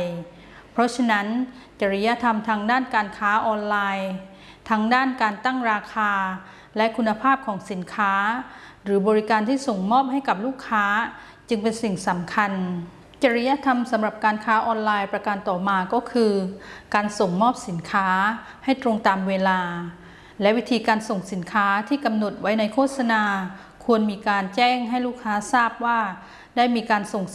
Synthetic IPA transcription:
j | pʰɔ˦˥t͡ɕʰa˧na˦˥n | t͡ɕa˧ɾi˧˥ja˦˧˥t̪ʰa˧mt̪ʰaː˦˥ŋdaː˥˩nkaː˧nkʰaː˦˥ʔɔː˧nlaː˧j | t̪ʰa˦˥ŋdaː˥˩nkaː˧nt̪a˥˩ŋɾaː˧kʰaː˧ | lɛ˦˥ʔkʰu˧nːa˧pʰaː˥˩p̚kʰɔː˩˦ŋsi˩˦nkʰaː˦˥ | ɾɯː˩˦bɔː˧ɾi˦˥kaː˧nt̪ʰiː˥˩so˨˩ŋmɔː˥˩p̚ha˥˩jka˨˩p̚luː˥˩kʰːaː˦˥ | t͡ɕɯ˧ŋpe˧nsi˨˩ŋsa˩˦mkʰa˧n | t͡ɕa˧ɾi˦˧˥ja˧˥˨t̪ʰa˧msa˨˩˦mɾa˨˩p̚kaː˧nkʰaː˦˥ʔɔː˧nlaː˧jpɾa˧ka˧nt̪ɔː˨˩maː˧kɔː˥˩kʰɯː˧kaː˧nso˨˩ŋmɔː˥˩p̚si˩˦nkʰaː˦˥ha˥˩jt̪ɾo˧ŋt̪aː˨mweː˧laː˧ | lɛ˦˥ʔwi˦˥t̪ʰiː˧kaː˧nso˨˩ŋsi˩˦nkʰaː˦˥t̪ʰiː˥˩ka˧mno˨˩t̪̚wa˦˥jna˧jkʰoː˥˩t̪̚sa˧naː˧ | kʰu˧ənmiː˧kaː˧nt͡ɕɛː˥˩ŋɦa˥˩jluː˥˩kʰːaː˦˥saː˥˩p̚waː˥˩ | daː˥˩jmiː˧kaː˧nso˨˩ŋ

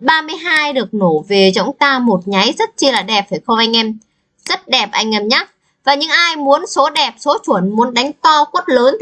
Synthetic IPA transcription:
ɓaː˧mɨ˧əjɦaː˧jɗɨ˨˩ək̚no˧˩ve˨˩zɔ̰˧˥wŋ͡mt̪aː˧mo˨˩t̚ɲa˨˦jzə˦˥t̚t͡ɕi˧laː˨˩ɗɛ˨˩p̚faː˧˩jxə˧wŋ͡mʔa˧jŋ̟ʔɛ˧m | zə˦˥t̚ɗɛ˨˩p̚ʔa˧jŋʔə˨˩mɲaː˦˥k̚ | vaː˨˩ɲɨ̰˧˥ŋʔaː˧jmu˨˦ənso˨˦ɗɛ˨˩p̚so˨˦t͡ɕwu˧˩ənmu˨˦ənɗa˨˦jŋ̟t̪ɔ˧ku˦˥t̚ləː˨˦n

